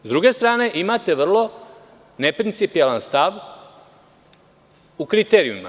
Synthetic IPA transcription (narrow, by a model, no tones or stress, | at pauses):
zd̪ɾuɡe̞st̪ɾaːne̞ʔimat̪e̞ʋr̩lˠo̞ | ne̞pɾint̪sipijalanst̪aʋ | ukɾit̪eɾiṵma̰